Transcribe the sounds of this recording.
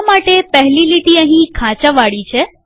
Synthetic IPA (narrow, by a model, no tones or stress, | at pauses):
maʈepəɦliliʈiəɦĩkʰãt͡ʃəʋaɭit͡ʃʰe